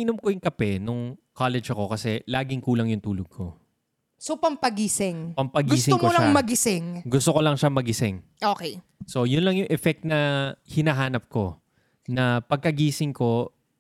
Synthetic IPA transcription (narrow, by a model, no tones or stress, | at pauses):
ʔɪnomkojʊŋkɐpɛnʊŋkʰalɛd͡ʒɐko̞kɐsɛlaːɡɪŋkuːlɐŋjʊŋt̪uːloɡ̚kʰo̞̰ | sopɐmpɐɡiːsɪŋpɐmpɐɡɡiːsɪomkolɐŋmɐɡɪsɪŋɡʊst̪okolɐŋʃamɐɡɪsɛŋʔoːkejso̞jʊnlɐŋjʊŋʔɛfɛk̚t̪̚nɐhɪnɐɦaːnɐp̚ko̞ | nɐpɐɡ̚kɐɡiːsɪŋko̞